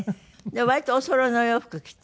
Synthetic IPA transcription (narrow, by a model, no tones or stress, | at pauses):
d̪eβait̪oosoɾonojoɸɯ̥kɯkʲi̥t̪